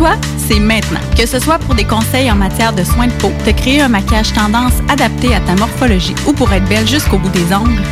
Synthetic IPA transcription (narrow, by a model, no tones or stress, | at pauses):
t̪wa | sɛmɛ̃t̪nɑ̰̃kʲəsəswapʊʁd̪ekɔ̃sɛjɑ̃mat͡sjɛːʁd̪əswɛ̃d̪əpot̪əkʁeeɛ̃makʲaʒt̪ɑ̃d̪ɑ̃sad̪ap̚t̪eat̪amɔʁfɔlɔʒiupuʁɛːt̪̚bɛlʒyskoːbud̪ezɔ̃ɡl